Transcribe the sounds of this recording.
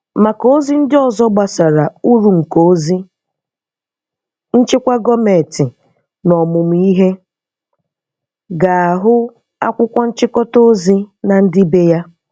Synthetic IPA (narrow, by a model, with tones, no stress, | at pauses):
ma˨ko˦o˦zi˦n̩˦dɪ˦ɔ˨zɔ˦ɡ͡ba˨sa˨ɾa˨u˦ɾu˨ŋ̩˨ko˨˦zi˦ | n̩˦t͡ʃɪ˦kʷa˦ɡɔ˦me˨tɪ˨ | nɔ˨mʊ˨m̩˨i˦ɦe˦ | ɡa˨a˨ɦʊ˦ | a̰˦kʷʊ˦kʷɔ˦n̩˦t͡ʃɪ˦kɔ˦to˦o˦zi˦na˨n̩˦dɪ˦be˦ja˦